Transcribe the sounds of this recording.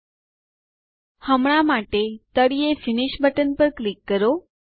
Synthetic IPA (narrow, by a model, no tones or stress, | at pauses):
həmɳ̃amaʈet̪əɽiefɪniʃbəʈənpəɾklikːəɾo